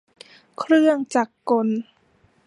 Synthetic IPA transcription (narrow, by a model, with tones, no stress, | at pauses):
kʰɾɯ˥˩əŋt͡ɕaː˨˩kːo˧n